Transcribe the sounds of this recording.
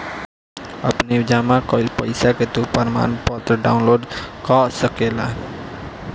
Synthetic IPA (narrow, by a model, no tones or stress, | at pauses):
ə̰pnid͡ʒamakɔilpəjsaket̪upəɾma̰npɔt̪ɾəɖawnloːɖkɔsəkela̰